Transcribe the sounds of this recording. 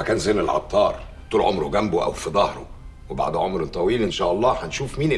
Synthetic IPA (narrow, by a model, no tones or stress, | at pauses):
ækæːnzenelʕɑ̰t̪ˤːɑːɾˤ | t̪ˤuːlʕomɾoɡæmboʔæ̰wfid̪ˤɑhɾo | weba̰ʕd̪ʕomɾet̪ˤːɑwiːlʔɪnʃæːʔɑlˤːɑːħænʃuːfmiːn